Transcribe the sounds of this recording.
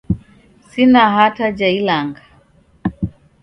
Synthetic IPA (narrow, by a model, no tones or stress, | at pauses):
sinaɦatad͡ʒailaŋɡa